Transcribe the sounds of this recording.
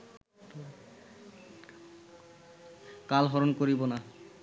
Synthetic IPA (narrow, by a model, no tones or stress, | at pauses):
kalɦɔɾonkoɾibona